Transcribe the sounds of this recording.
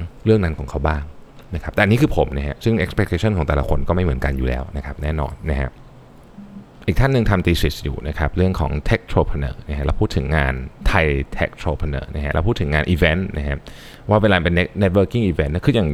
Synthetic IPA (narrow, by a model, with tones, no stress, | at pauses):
ɾɯ˥˩əŋna˦˥nkʰɔː˩˦ŋkʰa˦˥wbaː˥˩ŋna˦˥kʰa˦˥p̚t̪ɛ˨˧ni˦˥kʰɯː˧pʰo˩˦mna˦˥ɦa˦˥ʔsɯ˥˩ŋʔe˦˥kspʰe˦˥t̪ʰeː˧t͡ɕʰɔ˥˩nkɔː˩˦ŋt̪ɛ˨˩la̰˦kʰo˧nkɔ˥˩ma˥˩jmɯ˩˦ənka˧njuː˨˩lɛ̰ː˦˥wna˦˥kʰa˦˥p̚nɛː˥˩nɔ̰ː˧nːa˦˥kʰa̰˦˥ʔ | ʔiː˨˩k̚t̪ʰa˥˩nːɯ˧ŋt̪ʰa˧mt̪iː˧si˨˩sjṵː˨˩na˦˥kʰa˦˥p̚ɾɯ˥˩əŋkʰɔː˩˦ŋt̪ʰe˦˥k̚t̪ʰɾoː˧pʰa˧nɤ̰ː˩˦na˦˥kʰa˦˥ɾʔa˧wpʰuː˥˩t̪ʰːɯ˩˦ŋːaː˧nt̪ʰa˧jt̪ʰe˦˥k̚t̪ʰɾoː˧pʰa˧nɤ̰ː˨˩˦na̰˦˥kʰa˦˥ɾa̰˧pʰːt̪ʰːɯ˩˦ŋaː˧nʔiː˧fe˦˥nna̰˦˥kʰa˦˥p̚ | waː˥˩weː˧laː˧pe˧n̚˦˥ne˦˥t̪̚wɤː˧˥ki˥˩ŋʔiː˧˩we˦˥nːa˦˥kʰːjaː˨˩ŋ